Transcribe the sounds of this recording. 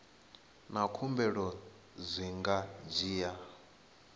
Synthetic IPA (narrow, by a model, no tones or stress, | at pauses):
nakʰumbɛɺɔ | zʷiŋɡad͡ʒiːja